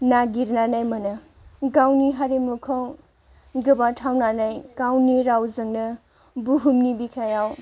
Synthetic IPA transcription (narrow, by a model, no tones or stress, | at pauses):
naɡiɾnanajmɐnɯ | ɡawniɦaɾemukʰaw | ɡɯbatʰawnanajɡ̥awniɾawzɯŋnɐ | buɦumnibikʰajaw